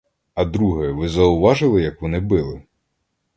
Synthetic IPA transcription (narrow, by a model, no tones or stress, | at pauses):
ɐd̪ɾuɦɛʋɪzɐʊʋɑʒɪlˠɪjɐkʋɔnɪbɪlˠɪ